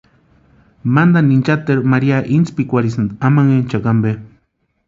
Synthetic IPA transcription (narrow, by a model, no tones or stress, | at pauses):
mand̪anint͡ʃat̪eɾmaɾiaʔint͡spikʷaɾisand̪amaŋent͡ʃakambe